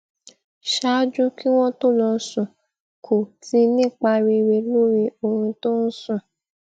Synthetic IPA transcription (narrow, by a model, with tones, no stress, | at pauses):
ʃa˦d͡ʒu˦ki˦w̃ɔ̃˦to˦˨lɔ˧sũ˨ | kʰo˨ti˧˦nĩ˦˨k͡pa˧ɾi˧ɾe˧˨lu˦ɾi˧o˧ɾ̃ũ˧to˦n̩˦sũ˦˨